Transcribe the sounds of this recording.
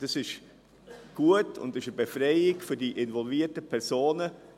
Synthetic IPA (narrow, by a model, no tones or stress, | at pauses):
d̥ɑsɪʃ | ɡ̥uətʰʊ̰ndɪʃəbefɾɛɪɪɡfʏdiːʔɪnvɔlviətəpʰɛɾsoːnə